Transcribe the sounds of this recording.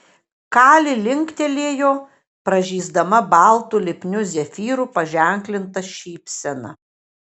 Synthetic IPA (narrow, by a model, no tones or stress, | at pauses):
kɑːlʲɪlʲɪŋʲkt̪ʲɛlʲeːjoː | pɾɐʒʲiːzd̪ɐmɐbɑˑlˠt̪ulʲɪpʲnʲʊzʲɛfʲiːɾuːpɐʒʲɛˑŋʲklʲɪnt̪ɐʃʲiːpʲsʲɛnɐ̰